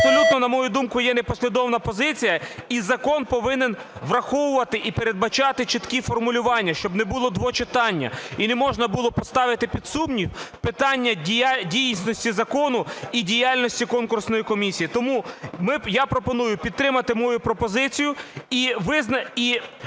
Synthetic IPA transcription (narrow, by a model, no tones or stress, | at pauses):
ɐɐpsɔlʲut̪nɔnɐmɔjud̪umkʊjɛnepɔsʲlʲid̪ɔʋnɐpɔzɪt͡sʲijɐizɐkɔnpɔʋɪnen | ʋɾɐxɔwʊʋɐt̪ɪʔipeɾe̞d̪̚bɐt͡ʃɑt̪ɪt͡ʃɪt̪kifɔrmʊlʲʊʋɑnʲːɐʃt͡ʃɔbnɛbʊlˠɔd̪ʋɔt͡ʃɪt̪ɑnʲːɐ̰inɛmɔʒnɐbʊlˠɔpɔst̪ɑʋɪt̪ɪpʲid̪sumnʲiwpɪt̪ɑnʲːɐdʲijnsʲnɔsʲtʲizɐkɔnʊidʲijalʲnɔsʲtʲikɔnkʊrsnɔjikɔmʲisʲijit̪ɔmumɪjapɾɔpɔnujʊpʲid̪ɾɪmɐt̪ɪmɔjupɾɔpɔzɪt͡sʲijʊiʋɪznɐi